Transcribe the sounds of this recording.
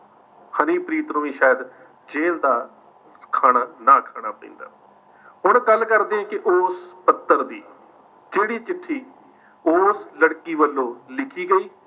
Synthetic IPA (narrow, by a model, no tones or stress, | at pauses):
hənĩːpɾiːt̪nũːĩːʃaːjəd̪ | d͡ʒeːld̪aː | kʰaːɽaːnaːkʰaːɽ̃aːpə̰̃ĩːnd̪a̰ː | hʊɳɡəlːkəɾd̪eːɛ̃ːkɪʔoːspət̪ːəɾd̪iː | d͡ʒeːɽiːt͡ʃɪʈʰːiː | oːsləɽkiːʋəlːõːlɪkʰiːɡəiː